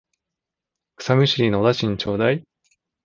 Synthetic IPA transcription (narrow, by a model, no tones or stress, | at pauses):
kɯ̥samʲɯ̟ɕiɾʲiːnoːd̪aɕĩɲt͡ɕo̞ːd̪ai